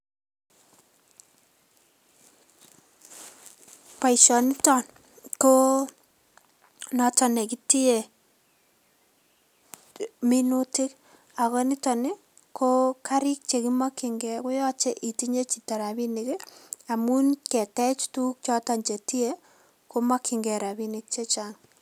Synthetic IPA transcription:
pa˨iʃɔ˨ni˦tɔ˦n | ko˦ | nɔ˨tɔ˨ne˨ki˦ti˦e˨ | mi˦nu˦ti˦k | a˨kɔ˦nɪ˦tɔ˨nɪ˦ | ko˦ka˦ɾɪ˦k̚t͡ʃe˨ki˦ma˦ki˨ŋɡɛkʊ˦jɔ˦t͡ʃe˦ʔi˨ti˦ɲe˦t͡ʃi˨ta˨ɾa˨bi˦nɪ˨ka˨mu˦nkɛ˨tɛ˦t͡ʃtu˦k̚t͡ʃɔ˦ta˨nt͡ʃe˨ti˦e˦ | ko˦ma˦kʰɪ˨ŋɡɛ˨ɾa˨bi˦nɪ˨k̚t͡ʃe˦t͡ʃa˨ŋ

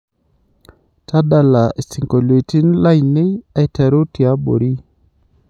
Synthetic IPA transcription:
tʰa˦da˨la˨e˨si˨ŋko˨lwe˨ti˦nla˦jnɪ˦a˦tɛ˨ɾo˦tja˦bo̰˨ɾi˦

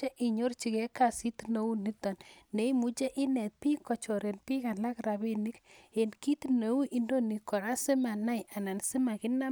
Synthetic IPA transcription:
e˦ʔi˨ɲo˦rt͡ʃi˨kɛ˦ka˨si˦t̪no˨u˦ni˦t̪ɔ˨nːe˨i˦mu˨t͡ʃe˦ʔɪ˦nɛ˨t̪̚pi˦kɔ˨t͡ʃɔ˨ɾe˨npi˦ka˨la˦kɾa˨be˦ni˦ke˨nki˦t̪no˨u˦ʔi˦ndo˦ni˨kɔ˨ɾa˦sɪ˦ma˨na˦jʔa˨na˨nsɪ˦ma˨kɪ˦na˦

